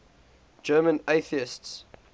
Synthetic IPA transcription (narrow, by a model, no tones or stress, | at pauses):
d͡ʒɜːmə̃neɪθiɪsts